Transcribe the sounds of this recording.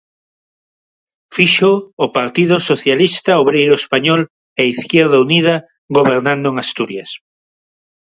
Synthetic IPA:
fiʃoːpaɾt̪iðʊsoθjalist̪aoβɾejɾoespaɲɔl | eiθkjɛɾðaunið̞a | ɣoβeɾnãnd̪ʊeŋast̪uɾjas

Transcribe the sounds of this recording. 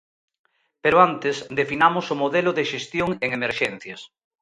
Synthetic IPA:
peɾoant̪esd̪efinamʊsʊmoðelʊðeʃest̪joŋeŋemeɾʃɛn̟θjɐs

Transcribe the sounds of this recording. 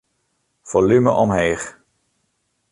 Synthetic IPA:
v̥olyməʔɔmɦeːχ

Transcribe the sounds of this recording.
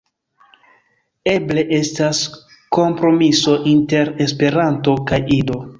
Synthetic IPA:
e̞ble̞ʔe̞stas | ko̞mpɾo̞miso̞ʔinte̞ɾe̞spe̞ɾanto̞kajʔido̞

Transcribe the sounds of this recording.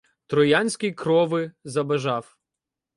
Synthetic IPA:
t̪ɾɔjanʲsʲkʲɪjkɾɔʋɪzɐbɐʒɑw

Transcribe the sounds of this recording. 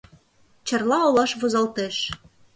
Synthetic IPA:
t͡ɕɑ̆rlɑolɑʃβozɑlt̪eʃ

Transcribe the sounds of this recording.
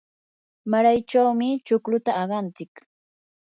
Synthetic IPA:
maɾajt͡ʃawmɪt͡ʃʊklʊt̪aːɢɑnt͡sɪk

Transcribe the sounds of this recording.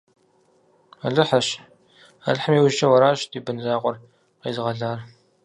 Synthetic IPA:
aɮɨħɐɕ | a̰ɮħəmiːwʊʒt͡ʃʼɐwɐɾaːʃdiːbɨnzaːqʷɔr | qḛːzɨʁɐɮaːr

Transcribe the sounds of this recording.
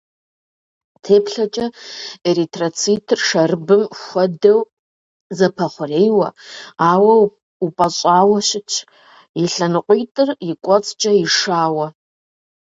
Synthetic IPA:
tʰeːpʰɬɐt͡ʃʼɐeɾitʰʼrot͡sʰitʰrʂɐrɨbɨmxʷɐdɐw | zɐpʰɐχʷʊrejwɐ̰aːwɐ | upʼɐɕʼaːwɐʃɪt͡ʃʰ | iɬɨnɨqʷʼijtʼɨrikʷʼɔt͡sʼt͡ʃʼɐiʂaːwɐ

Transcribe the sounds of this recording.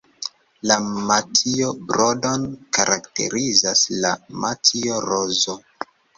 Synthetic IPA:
lamatiobɾodo̞nkaɾʔakte̞̰ɾizaslamatioɾozo

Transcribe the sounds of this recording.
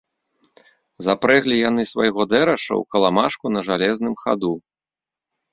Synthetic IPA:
zapɾɛɣlʲijan̪ɨsvajɣɔd̪ɛɾɐʂɐ̰wkɐlˠamaʂkunɐʐalʲɛznɨmxa̰d̪u

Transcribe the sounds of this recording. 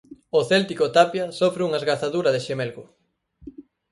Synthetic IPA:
oθɛlt̪ikot̪apjasofɾeuŋaezɣaθaðuɾɐðeʃemɛlɣʊ

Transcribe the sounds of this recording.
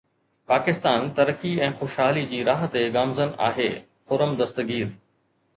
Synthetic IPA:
paːkɪst̪aːnt̪ɐɾəkiɛ̃ːxʊʃɦaːlid͡ʑiːɾaːɦət̪eɡaːmzəna̰ːɦḛː | xʊɾəmd̪ɐst̪əɡiːɾ

